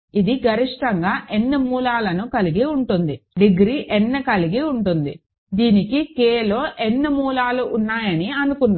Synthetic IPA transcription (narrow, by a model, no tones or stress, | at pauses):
id̪iɡɐɾiʂʈɐŋɡaːʔenːɐmuːlaːlɐnukɐliɡiuɳʈund̪iɖiɡɾiʔɛnːɐkɐliɡiuɳʈund̪i | d̪iːnikikeːlo̞ːʔɛnːɐmuːlaːluʔunːaːjɐniɐnukunːa